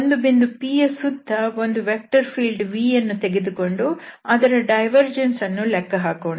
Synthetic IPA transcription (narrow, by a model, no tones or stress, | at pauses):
ond̪ubind̪upiːesːud̪ʱːɐo̞nd̪uʋek̚ʈɐɾpʰiːlɖʋiːjɐnːut̪eɡed̪uko̞ɳɖuɐd̪ɐɾɐɖɐjʋɐɾd͡ʒensɐnːulɛkːɐɦaːkoːɳ